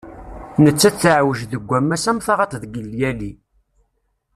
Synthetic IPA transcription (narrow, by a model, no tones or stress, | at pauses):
nət͡sːæt͡sːʕwəʒðəɡʷːæmːæsæmθɑʁɑt̪ˤðɡəlːjæli